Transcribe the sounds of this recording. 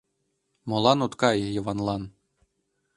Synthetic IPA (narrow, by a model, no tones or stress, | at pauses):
molˠɑnut̪kɑjjɤ̆ʋɑnlˠɑn